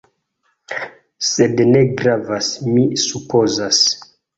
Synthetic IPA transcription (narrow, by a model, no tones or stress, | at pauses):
sedneɡɾavasmisupozas